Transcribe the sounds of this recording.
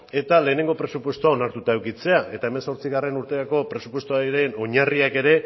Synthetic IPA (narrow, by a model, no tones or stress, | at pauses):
e̞t̪ale̞ːne̞ŋɡo̞pɾe̞supwe̞st̪oao̞naɾt̪ut̪aewkit͡se̞aʔe̞t̪aeme̞nso̞ɾt͡siɣare̞nuɾt̪e̞ɾako̞pɾe̞supwe̞st̪oaiɾe̞no̞ɲariake̞ɾe̞